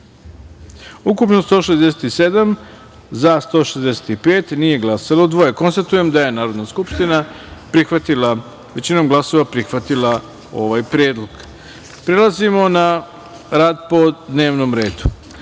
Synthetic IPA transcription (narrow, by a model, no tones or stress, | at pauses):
ukupnost̪o̞ːʃezd̪ese̥t̪ise̞d̪am | zast̪o̞ːʃezd̪ese̥t̪ipe̞ːt̪nije̞ɡlˠasalod̪ʋojeko̞nst̪at̪uje̞md̪aje̞naːɾo̞d̪naskupʃt̪ina | pɾixʋat̪ila | ʋet͡ɕinomɡlˠaso̞ʋapɾixʋat̪ilˠa | o̞ʋajpɾjeːd̪lˠoɡ̥ | pɾelˠazimo̞na | ɾaːd̪po̞d̪ne̞ːʋnomɾe̞ːd̪u̥